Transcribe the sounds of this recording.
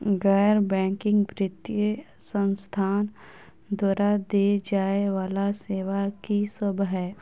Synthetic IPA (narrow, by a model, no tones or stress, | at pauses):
ɡɛːɾbɛ̃ːŋkɪ̃ŋɡbɾɪt̪jə | sə̃nst̪ʰaːn | d̪waːɾad̪ed͡ʒaːeʋaːlaseːʋakisəbʱɦɛː